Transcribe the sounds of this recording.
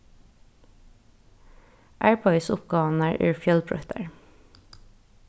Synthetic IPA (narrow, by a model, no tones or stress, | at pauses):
ʔæːɹbɑɪsʊpɡɑːʋn̩æːɹʔʉ̰ːɹfjœlbʰɹœ̰t̪ə̰ɹ